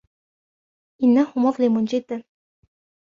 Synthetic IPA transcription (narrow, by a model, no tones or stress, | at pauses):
ʔɪnːahʊmʊʁlɪmʊnd͡ʒɪd̪ːan